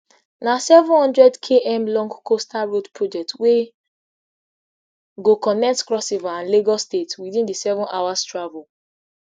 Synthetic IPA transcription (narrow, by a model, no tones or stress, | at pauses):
nasɛvɔ̃nhɔ̃ndɹɛdkʰeʔɛ̃mlɔ̃ŋɡkostaɹodpʰɹɔd͡ʒɛk̚twe | ɡokɔnɛk̚tkɹɔsivaãnleɡɔstetwiðĩndisɛvɔ̃nʔawastɹavul